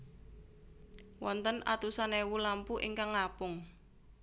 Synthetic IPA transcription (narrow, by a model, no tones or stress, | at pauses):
wɔnt̪əna̰t̪usanewulampuʔḭŋkaŋːapʊŋ